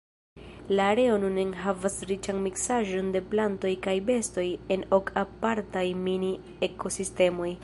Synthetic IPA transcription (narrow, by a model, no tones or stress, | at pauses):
laːɾe̞o̞nunenɦavasɾit͡ʃanmiksaʒo̞nde̞planto̞jkajbe̞sto̞je̞no̞kapaɾtajmini | e̞kʰo̞siste̞mo̞j